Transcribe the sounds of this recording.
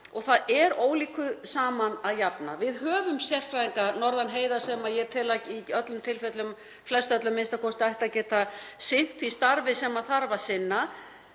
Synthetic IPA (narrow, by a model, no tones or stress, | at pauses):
ɔɣθaðɛɾoːwliːkʏsaːmanaðjapna̰vɪðɦœːvʏmsjɛr̥fɾaðiŋkanɔɾðanɦeːjðḁsɛmajɛɾt̪ʰɪlaciœt̪lʏmt̪ʰɪlfɛt̪lʏm | flɛst̪œt̪lʏmːɪnst̪akʰɔst̪ɪajht̪acɛːt̪asɪn̥t̪fist̪aɾvɪsɛmaθaɾvasɪnːa